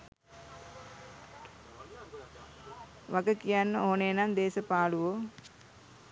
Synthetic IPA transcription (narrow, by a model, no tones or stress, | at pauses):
ʋaɡəkijanːəoɦonenand̪eːsəpaːluʋo